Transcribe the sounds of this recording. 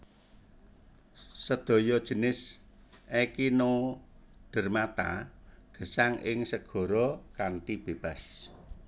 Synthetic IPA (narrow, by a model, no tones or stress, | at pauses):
səd̪̥ɔ̤jɔd̥ʒ̥ə̤nɪs | ʔɛkino | ɖ̥ə̤rmat̪a̰ɡ̥ə̤saŋʔɪ̰ŋsəɡ̥ɔ̤ɾɔkant̪ib̥e̤b̥a̤s